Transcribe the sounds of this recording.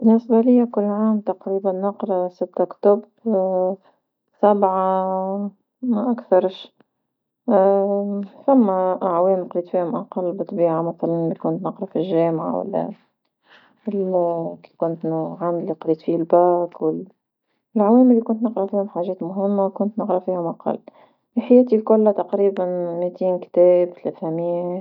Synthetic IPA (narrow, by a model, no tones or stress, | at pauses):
bɪnːɪsbalɪjːakʊlːʕaːmt̪ɑqɾiːbanːɑqɾˤɑsɪt̪ːakt̪ʊb | sabʕa | maʔakθɑɾˤʃ | θæmːaʔʕwɛːmnqɑliːt̪fiːhʊmʔɑqɑlːbɨt̪ˤbiːʕamaθalanlikʊnt̪nɑqɾˤɑfilʒɛːmʕa̰wa̰lːæ̰ | likʊnt̪ʕand̪liqɑliːt̪fiːhlbæːkwɪl | laʕwɛːmɪlːikʊnt̪nəqɾɑfiːhʊmħaːʒɛːt̪mʊɦɪmːakʊnt̪nəqɾɑfiːhʊmʔɑqɑ̰lː | fiħajæːt̪ilkʊlːat̪ɑqɾiːbanmit̪iːnkt̪ɛːbt̪leθamɪjæ